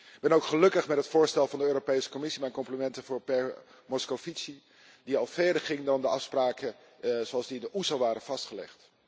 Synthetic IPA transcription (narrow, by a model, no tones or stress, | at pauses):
ɪɡ̚bɛnowkχəlɵkəχmɛtɦətfʊːɹstɛlˠvɑndəøːropejsə̥kɔmɪsimɛjnkɔmplimɛntənvʊːɹpɛɹ | mɔskofitsi | diɑlˠvɛɹdəɹχɪŋdɑndəɑfspraːkə | zoɑlˠzdiɪndəʔusolˠʋaːɾənv̥ɑstχəlɛ̰χt